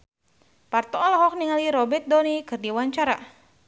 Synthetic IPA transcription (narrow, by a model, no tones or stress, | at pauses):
part̪ɔɔlɔɦɔk̚niŋaliɾɔbɛrt̪̚d̪ɔnikɨrdiwaɲt͡ʃaɾa̰